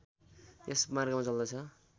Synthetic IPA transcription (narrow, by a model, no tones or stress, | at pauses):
t̪esmarɡamat͡sʌld̪ʌt͡sʰʌ